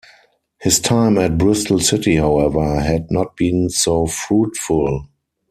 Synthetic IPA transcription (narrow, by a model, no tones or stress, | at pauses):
hɪstʰãɪ̃mɛt̚bɹʊstl̩sɪtihaʊɛvə˞ɦædnɔt̚b̥ĩːnsoʊfɹuːtfʊl